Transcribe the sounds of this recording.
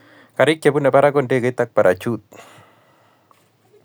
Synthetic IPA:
ka˨ɾɪ˦kje˨bu˦nɛ˨pa˦ɾakonde˦ɡe˦it̪a˦k̚pa˨ɾʔat͡ʃut̪̚

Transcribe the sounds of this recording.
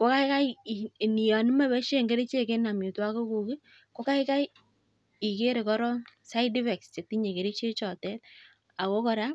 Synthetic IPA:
ko˦ka˦ɪ˦ka˦˨ni˨ja˨nɪ˦mɛ˦˨bɛ˦ʃe˦˨ŋɡe˦ɾi˦t͡ʃe˦˨ke˦na˨mjʊ˨twa˦ko˦ku˨kɪ˦ | ko˦ka˦ɪ˦ka˦j | i˨ke˦ɾe˨kɔ˦ɾɔ˦sa˦ɪdi˦fɛ˨kst͡ʃe˨k̚ti˦ɲe˨ke˨ɾi˦t͡ʃe˦t͡ʃɔ˨tɛ˦t̚ | a˨ko˦kɔ˨ɾa˦

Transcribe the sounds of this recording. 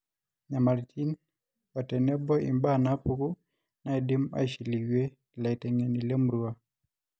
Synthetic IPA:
ɲama˨ltʰi˦n | ɔ˨tɛ˨nɛ˦bɔ˦ḭ˨mba˦napu˦ku˦ | na˦ɛdi˦ma̰˦ʃi˨li˨ɡwe˦ | la˨i˨tɛ˨ŋe˨ni˨le˦mɾua˦

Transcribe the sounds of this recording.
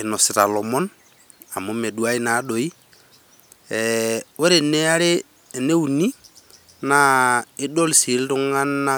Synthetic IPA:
e˨nɔ˨si˨ɾa˨lɔ˨mɔ˦n | a˨mo˨˦me˨du˨a˦i˦na˨˦do˨i˦ | ɛwɛ˦ɾe˨ne˦a˦ɾe˦˨ | ne˦u˨ni˦ | na˨ɪ˦dɔ˦lsi˨˦lɾu˦ŋa˦nːa˦

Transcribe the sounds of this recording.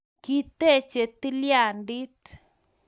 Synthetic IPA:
ki˦t̪e˦˧t͡ʃe˧t̪i˦lja˧˨nd̪i˦t̪

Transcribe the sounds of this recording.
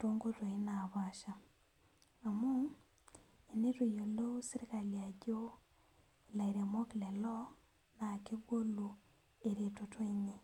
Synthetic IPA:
to˦ŋɡo˦twe˨i˦na˨βa˦ʃa˨ | a˨mu˦ | e˨ne˦to˨jo˨lo˦si˦ɾi˦ka˨lia˨ɟo˦ | e˨la˨iɾe˨mo˦ki˨le˨lɔ˦ | na˨ke˦ɡwo˦lu˨ | e˨ɾe˨to˨twe˦ɲe˨

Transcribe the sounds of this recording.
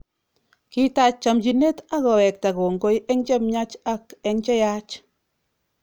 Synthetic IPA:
ki˦ta˦˨t͡ʃa˨md͡ʒi˨ne˦ta˦kɔ˨wɛ˨k̚ta˨ko˨ŋɡo˦jɛ˦ŋt͡ʃɛ˦mɲa˦t͡ʃa˦kɛ˦ŋt͡ʃɛ˦ja˦t͡ʃ

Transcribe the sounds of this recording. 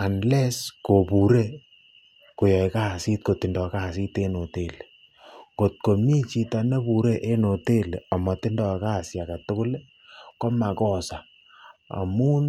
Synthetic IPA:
a˨nlɛ˦sko˨pu˨ɾe˦ | ko˨jɔ˨jka˦˨si˦t̚ko˨tɪ˨ndɔ˨ka˦˨s̬i˦te˦no˨te˨le˨ | ko˨t̚ko˨mi˦t͡ʃi˨ta˨ne˦pu˨ɾe˦ʔe˦no˨te˦le˨ɔ˨mɔ˨tɪ˦ndɔ˨ka˦˨sja˨ka˨tʊ˦kʊ˦le˦ | ko˦ma˨kɔ˦˨sa˨ | a̰˨mu˦n

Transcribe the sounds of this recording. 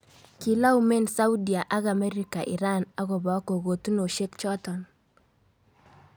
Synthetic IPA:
ki˨la˦u˦me˦nsa˦wdi˨a˨ʔa˦ɡa˨mɛ˦ɾi˦ka˨ʔḭ˨ɾa˦na˦ɡɔ˨bɔ˨˦ko˨ɡo˨tu˦no˨ʃe˦kt͡ʃɔ˦tɔ˨n

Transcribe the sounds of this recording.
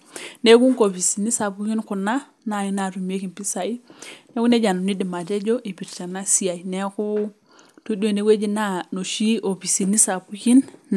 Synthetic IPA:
ne˦ku˦ŋko˨pi˨si˨ni˦sa˨pu˦ki˦nku˨na˦ | na˨i˦na˨ɾu˨m˦e˦ki˨npi˦sa˨i˦ne˦ku˦ne˦d͡ʒa˨nu˨ni˦di˨ma˨te˦d͡ʒo˦ʔi˨pi˨ɾt͡ʃa˨na˦si˦a˨i˨ne˦ku˦ | tu˦do˨ne˦ɡwe˦d͡ʒi˦na˦no˨ʃi˦o˨pi˨si˨ni˦sa˨pu˦ki˦nː

